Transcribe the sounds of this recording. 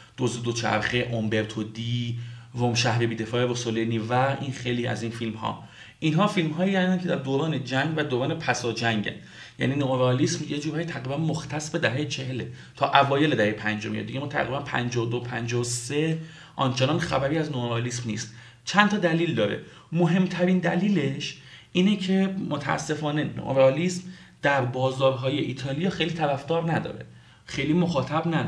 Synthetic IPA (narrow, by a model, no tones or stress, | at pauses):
d̪̥ozed̪ot͡ʃʰæ̰ɾχeʔombe̞ɾt̪ʰod̪ivomʃæhɾebiːd̪efɒːebosoleniːvæinxejliːæ̰zinfilmɦɒ̰ː | ʔinɦɒːfilmɦɒːjiænd̪ænkʰed̪æɾd̪oːɾɒːned͡ʒæŋɟvæd̪oːɾɒːnepʰæsɒːd͡ʒæŋɟæ̰n | jæ̰niːnoɾɒːliːsmjed͡ʒuːɾhɒːjit̪ʰæɣɾiːbænmoxt̪ʰæsbed̪æɦeːjet͡ʃʰeɦele | t̪ʰɒːʔævɒːje̞led̪æhejepʰænd͡ʒomijḛd̪iɟeɒːt̪ʰæ̰ɣɾibænpʰæ̰nd͡ʒɒːod̪opʰænd͡ʒɒse | ʔɒ̰nt͡ʃʰenɒnxæ̰bæɾiːæznooɾɒːlismnḭːst̪ | t͡ʃʰænt̪ʰɒːd̪æliːld̪ɒːɾḛ | moɦe̞mt̪ʰæɾind̪æ̰liːle̞ʃʔiːnecʰemot̪ʰæ̰æ̰sːe̞fɒːne̞no̰ʔo̰ɾɒliːsm | d̪̥æɾbɒːzd̪ɒːɾɦɒːje̞ʔiːt̪ʰɒːlijɒːxejliːt̪ʰæɾæfd̪ɒːɾnæd̪ɒ̰ːɾe̞̰ | xejlimoxɒːt̪ʰæbnæ